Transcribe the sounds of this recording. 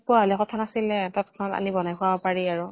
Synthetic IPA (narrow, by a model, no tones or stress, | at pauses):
puaɦɔlɛkɔtʰanasilɛtatkʰɔnɔta̰nibɔnajpʰuabɔpaɹiaɹu